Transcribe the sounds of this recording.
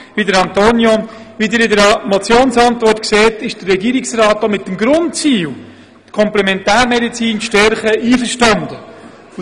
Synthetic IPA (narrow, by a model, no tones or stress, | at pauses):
ʋidəɾɑnt̪onjovid̪ɪɾɪdəɾmot͡sjoːnsɑnt̪vɔrtkseːtɪʃd̥ərːɛɡiːɾɪksrɑːtːomɪtːəmɡɾʊntt͡siːl | t̪kʰɔmplɛmɛntæːɾmɛdit͡siːnʃtɛɾχəiːfəɾʃtɑnd̪ə